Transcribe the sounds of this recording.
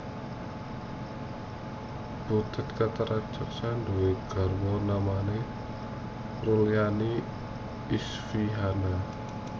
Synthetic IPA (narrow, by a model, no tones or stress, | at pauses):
b̥ut̪ə̤t̪̚kat̪aɾḁd͡ʒ̥ək̚sand̪uweɡ̥a̤rwɔnamane | rulijani | isfiɦana